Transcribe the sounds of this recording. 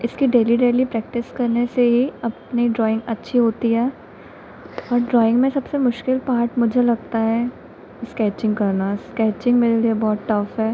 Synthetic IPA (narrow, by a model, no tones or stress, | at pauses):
ɪskiɖeːliɖeːlipɾɛːk̚ʈɪskɐɾneseɦiɐpniɖɾɔːɪ̃ŋɡɐtːʃʰiɦoːt̪iɦɛː | ɔːɾɖɾɔːɪ̃ŋɡmẽsɐbsemʊʃkɪlpaːɾʈmʊd͡ʒʱelɐɡ̚t̪aɦɛ | skɛːt͡ʃɪ̃ŋɡkɐɾnaskɛːt͡ʃɪ̃ŋɡmeːɾeliebɔːt̪ʈɐfɦɛː